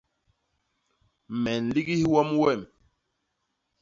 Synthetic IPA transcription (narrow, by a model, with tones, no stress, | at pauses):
mɛ˨nli˦ɡi˦hwɔ˦mwɛ˦˨m